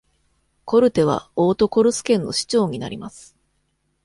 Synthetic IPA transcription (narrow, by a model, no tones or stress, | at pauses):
ko̞ɾɯ̟t̪e̞β̞a̰oːt̪o̞ko̞ɾɯ̟sɨ̥kẽ̞nːo̞̰ɕi̥t͡ɕo̞ːɲ̟ina̰ɾʲimasɨ̥